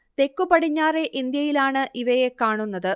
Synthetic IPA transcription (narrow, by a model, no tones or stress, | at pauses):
t̪e̞kːupɐɽiɲːaːre̞ʔind̪jɐjilaːɳɨʔiʋɐje̞kaːɳunːɐðɨ